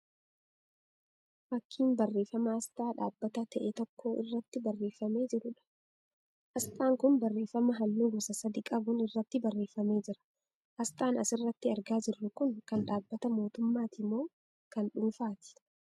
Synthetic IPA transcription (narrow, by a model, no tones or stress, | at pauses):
fɐkʰːiːnbɐrːe̞ːfɐmɐɐst̪ʼaːᶑaːbːɐt̪ɐt̪ɐʔet̪ɔkːo̞ːʔɪ̰rːɐt̪ːɪbɐrːe̞ːfːɐme̞ːd͡ʒɪɾʊᶑɐ̥ | ʔɐst̪ʼaːŋkʊnbɐrːe̞ːfɐmɐɦɐnːuːɡɔsɐsɐd̪ikʼɐbʊnɪrːɐt̪ːɪbɐrːe̞ːfːɐme̞ːd͡ʒɪɾɐ̥ | ʔɐst̪ʼaːnɐsɪrːɐt̪ːɪɐɾɡaːd͡ʒɪrːʊkʊnkɐnᶑaːbːɐt̪ɐmo̞ːt̪ʊmːaːt̪ɪmːo̞ː | kɐnᶑʊnfaːt̪ɪ̥